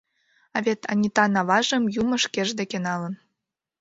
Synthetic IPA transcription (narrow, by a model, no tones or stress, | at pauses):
ɑβet̪ʰɑ̰nʲit̪ɑnɑβɑʒə̆mjumɤ̆ʃkeʒd̪ekenɑlɤ̆n